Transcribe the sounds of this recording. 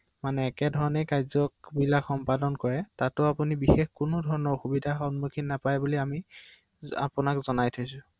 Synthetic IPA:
manɛːkɛdʱɔɹɔnɛkajzɔkbilakxɔmpadɔnkɔɹɛtatʊapunibixexkʊnʊdʱɔɹɔnɔɹxubidʱaxɔnmukʰinːapajbuliami | a̰pʊnakzɔnajtʰojsʊ̃

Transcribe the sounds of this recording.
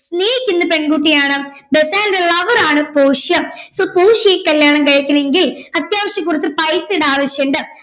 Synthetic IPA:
sneːjikʲːunːɐpe̞ɳkuːʈːijaːɳɨ | besaːnndelɐʋɐɾaːɳɨpoːʂjɐmsoːpoːʂɐjekːɐljaːɳɐmkɐɻɐkʲːunɐeŋɡilɐt̪jaːmɐɕjɐkːurit͡ɕːupɐjseɽaːʋɐɕjeɳɖɨ

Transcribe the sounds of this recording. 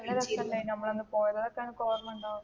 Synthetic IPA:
ɐneɾɐɐleinɐmːɐɭenːɨpoːjɐðɐðokːaːnɨkoːrɐmuɳɖaː

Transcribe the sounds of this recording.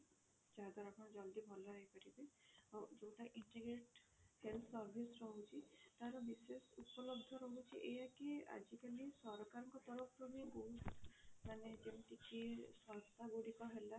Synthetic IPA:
d͡ʒaɦd̪aɾakʰɔnɔd͡ʒɔld̪ibʱɔlɔɾaɦipaɾibead͡ʒoũʈaʔiɳʈiɡɾeʈ | helt̪ʰsɔɾbʱisɾɔɦut͡ʃʰit̪aɾɔbisesupɔlɔbd̪ʱɔɾɔɦut͡ʃʰiʔejakea̰d͡ʒikalisɔɾkaɾɔŋkɔt̪ɔɾɔpʰɾɔbiɡosmanet̪emʈikiswɔst̪aɡuɽikɔɦela

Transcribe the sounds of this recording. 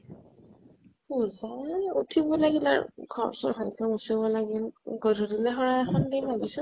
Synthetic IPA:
puzautʰibɔlaɡila̰ɹɡʰʱɔ̰ɹsɔ̰bʰʱalkɔmusibɔlaɡilɡɔdʱɔɾilɛɦɔɹaɛxʰɔndejbʱabisu

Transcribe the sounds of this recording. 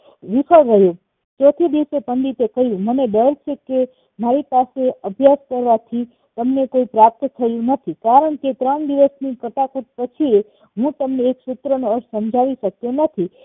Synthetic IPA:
ʋifʰəɾəɦjo | t͡ʃɔt̪ʰid̪iʋsepənd̪it̪ekəɦjũməneɖ̪əlt͡ʃʰeke | maɾipaseəbʱjaskəɾʋat̪ʰi | t̪əmnekoipɾap̚t̪t̪ʰəjũnət̪ʰikaɾəɳket̪ɾəɳd̪iʋəsnikəʈakut̪̚pət͡ʃʰie | ɦũt̪əmneːksut̪ɾənoəɾʃsəmd͡ʒʱaʋiʃəkjonət̪ʰi

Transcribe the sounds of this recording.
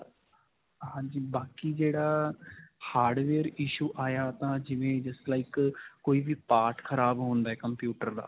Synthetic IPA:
ɦãːɲd͡ʒiːbaːkiːd͡ʒeːɽaː | haːɾɖʋeːɾɪːʃuːʔaːjaːt̪ãːd͡ʒɪʋẽːd͡ʒəslaːɪkkoːiːʋiːpaːʈkʰəɾaːbɦõːnd̪aːɛːkəmpjuːʈəɾd̪a̰ː

